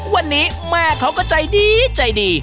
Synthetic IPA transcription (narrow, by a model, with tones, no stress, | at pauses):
wa˧nːiː˦˥ | mɛː˧kʰa˦˥wkɔː˥˩t͡ɕa˧jdiː˧t͡ɕa˧jdiː˧